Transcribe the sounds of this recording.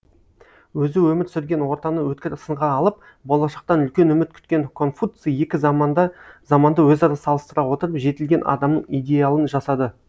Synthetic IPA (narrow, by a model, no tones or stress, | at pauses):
wɵzɪwɵmɪɾsʏɾɡʲe̞nwo̞ɾt̪ɑnəwɵt̪̚kʲɪɾɪsəɴʁɑːlˠəp̚ | bo̞lˠɑʃɑq̚t̪ɑnʏlkʲe̞nɵmɪt̪̚kʲʰʏ̥t̪kʲe̞ŋkʰo̞nfut̪sije̞kʲɪ | zɑmɑnd̪əwɵzɑɾɑsɑlˠəst̪əɾɑwo̞t̪əɾəpʒe̞t̪ɪlɡʲe̞nʔɑ̰d̪ɑmnəɴijd̪ʲe̞jalˠənʒɑsɑd̪ə